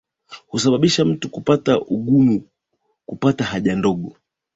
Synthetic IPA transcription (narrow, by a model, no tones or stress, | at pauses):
husaɓaɓiʃam̩tukupataʔuɠumu | kupatahaʄandɔɠɔ